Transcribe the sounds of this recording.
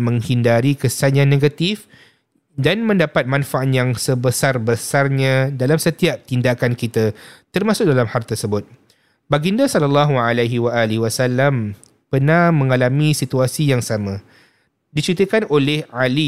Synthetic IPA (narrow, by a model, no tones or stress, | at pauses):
mə̃ŋhindaɾikəsaɲãnːẽɡat̪if | danmə̃ndapat̪̚mãnfaʔat̪jaŋsəbəsarbəsarɲãdalamsət̪iap̚t̪indakankit̪at̪ərmasʊk̚dalamhart̪ərsəbʊt̪̚ | baɡindasɔlalːɑɦuʕalaɦiwaʔaliwasalːam | pərnãhmə̃ŋalamĩsit̪uasijaŋsamã | dit͡ʃut̪əkanolɛhali